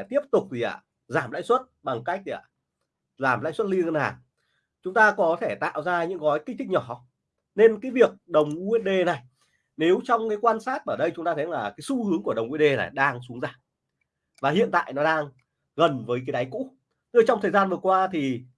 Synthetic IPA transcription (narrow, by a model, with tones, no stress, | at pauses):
t̪i˦˥əp̚t̪ʊ˨˩k͡p̚zi˨˩ʔa̰ː˧˩ | zaː˧˩mla̰ː˧˥jswə˦˥t̚ɓa˨˩ŋka˦˥k̚a˧˨˩ | zaː˨˩mla̰ː˧˥jswə˦˥t̚li˧ə˧ŋɣə˧nhaː˨˩ŋ | t͡ɕʊ˨˦ŋ͡mt̪aː˧kɔ˨˦t̪ʰe˧˩t̪a̰ː˧˨wzaː˧ɲɨ̰˧˥ŋɣɔ˨˦jki˦˥k̚t̪ʰï˦˥k̚ɲɔ˧˩˦ | ne˧nkaː˨˦jvi˨˩ək̚ɗə˨˩wŋ͡mʔt̚ɗe˧˩na˨˩j | ne˨˦wt͡ɕɔ˧wŋ͡mkaː˨˦jkwaː˧nsaː˦˥t̚ʔəː˧˩ɗə˧jt͡ɕʊ˨˦ŋ͡mt̪aː˧ə˨˦jlaː˨˩kaː˨˦jsu˧hɨ˨˦əŋku˧˩əɗə˨˩wŋ͡mŋwɗe˧na̰˨˩jɗaː˧ŋsu˨˦ŋzaː˧˩m | vaː˨˩ɦḭ˧˨ənt̪a̰ː˧˨jnɔ˨˦ɗaː˧ŋ | ɣə˨˩nvəː˨˦jkaː˨˦ɗa˨˦jkṵ˧˥ | t̪ɨ˧˩t͡ɕɔ˧ŋ͡mt̪ʰəː˨˩zaː˧nvɨ˨˩əkwaː˧t̪ʰi˨˩